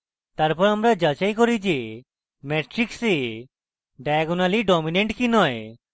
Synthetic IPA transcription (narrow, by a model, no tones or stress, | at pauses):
t̪aɾpɔɾamɾad͡ʒat͡ʃajkɔɾid͡ʒe | mɛʈɾikse | ɖajɡonaliɖɔmineɳʈkinɔe